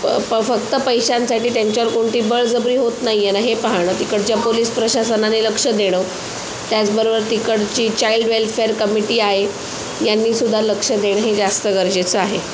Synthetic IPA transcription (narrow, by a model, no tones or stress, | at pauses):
əfəkt̪əpəjɕansaʈiːʈ̪aɲt͡ɕaɾkoɳʈ̪iːbəɭd͡zəbɾiːɦot̪naijenaɦepəɦaɽ̃ət̪ikəɽt͡ɕjapoliːspɾəɕasənaneləkʂəd̪eɽ̃ə | t̪jat͡sbəɾobəɾt̪ikəɽt͡ɕiːt͡ɕailɖʋelfeəɾkəmiʈiːaɦe | janːiːsud̪ʱːaləkʂəd̪eɽ̃əɦed͡zast̪əɡəɾd͡ʑet͡səaɦe